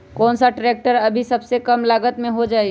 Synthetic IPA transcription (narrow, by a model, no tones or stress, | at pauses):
kɔːnsaʈɾeːk̚ʈəɾɐbʱisɐbsekɐmlaːɡət̪mẽɦod͡ʒaːi